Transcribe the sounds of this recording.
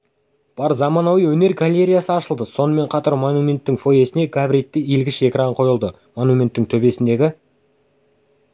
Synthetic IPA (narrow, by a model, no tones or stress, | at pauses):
b̥ɑɾzɑmɑnɑwijwɵne̞ɾɡalʲe̞ɾʲijasəɑʃəlˠd̪əso̞nəme̞ɴqʰɑt̪ɑɾmo̞numʲe̞nt̪ːɪŋfo̞je̞sɪne̞ɡabɾijt̪ːɪilɡʲɪʃe̞kɾɑɴqʰo̞jəlˠd̪ə | mo̞numʲe̞nt̪ːɪŋt̪ʰɵbe̞sɪnd̪e̞ɡʲɪ